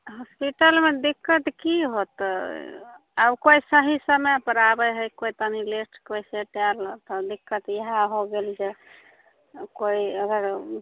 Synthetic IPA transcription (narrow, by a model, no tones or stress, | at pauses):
ɦɔspiʈəlmed̪ikːət̪kiɦot̪ | abkoisəɦisəməjpəɾabəɦəjkojt̪ənilesʈkojseʈaɾlət̪ɔd̪ikːət̪jəɦaɦoɡeld͡ʒe | koiəɡəɾ